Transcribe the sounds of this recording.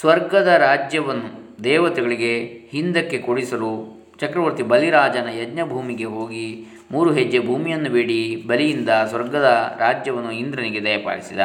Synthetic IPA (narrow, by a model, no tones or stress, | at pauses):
sʋɐɾɡɐd̪ɐɾaːd͡ʒjɐʋɐnːud̪ɛːʋɐt̪ɛɡɐɭiɡe̞hind̪ɐkːe̞koɽisɐlu | t͡ʃɐkɾɐʋɐɾt̪ibɐliɾaːd͡ʒɐnɐjɐdɲɐbʱuːmiɡe̞ɦo̞ːɡi | muːɾuɦed͡ʒːebʱuːmijɐnːubeːɽibɐlijind̪ɐsʋɐɾɡɐd̪ɐɾaːd͡ʒjɐʋɐnːuind̪ɾɐniɡe̞d̪ɐjɐpa̰ːɽisid̪ɐ̰